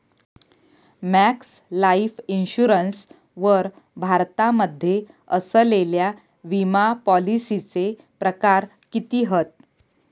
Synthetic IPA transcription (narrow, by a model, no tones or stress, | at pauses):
mækslaifinɕuɾəns | ʋəɾ | bʱaɾt̪aməd̪ʱːje | əsəlelja | ʋimapɔlisit͡se | pɾəkaɾ | kit̪iːɦət̪̚